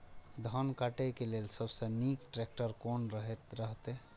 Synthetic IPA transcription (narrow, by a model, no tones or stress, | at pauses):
d̪ʱənkaʈekeleːlsəbsəniːkʈɾek̚ʈəɾkoːnɾəɦet̪ɾəɦt̪e